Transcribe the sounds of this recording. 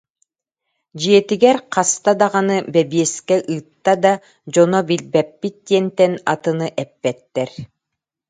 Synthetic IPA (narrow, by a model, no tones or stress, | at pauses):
d͡ʑiɛt̪iɡɛɾqʰast̪ad̪aʁanɯbɛbiɛskɛʔɯːt̪ːad̪a | d͡ʑɔnɔbilbɛpːit̪̚d̪iɛnt̪ɛnat̪ɯnɯʔɛpːɛt̪ːɛɾ